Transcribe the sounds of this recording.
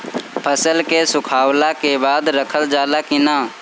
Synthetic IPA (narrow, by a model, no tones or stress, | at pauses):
pʰəsəlkesʊkʰaːwlakebaːd̪ɾəkʰəld͡ʒaːlakinaː